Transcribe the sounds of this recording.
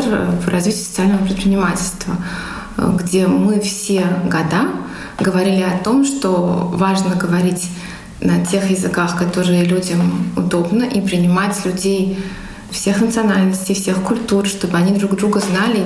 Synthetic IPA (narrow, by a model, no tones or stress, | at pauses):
ərvrɐzvʲitʲɪsə̥t̪sɨalʲnəvəpɾʲɪt̪̚pʲɾʲɪnʲɪmatʲɪlʲst̪və̰ | ɡdʲe̞mɨfsʲe̞ɡɐd̪a | ɡəvɐɾʲilʲɪɐt̪o̞mʂt̪ovaʐnəɡəvɐɾʲitʲ | nɐtʲe̞xjɪzɨkaxkɐt̪o̞ɾɨjəlʲudʲəmʊ̰d̪o̞bnəʔipɾʲɪnʲɪmatʲlʲʉdʲej | fsʲe̞xnət̪sɨɐnalʲnəsʲtʲɪjfsʲe̞xkʊlʲt̪urʂt̪o̞bɨɐnʲid̪ɾuɡd̪ɾuɡəznalʲɪ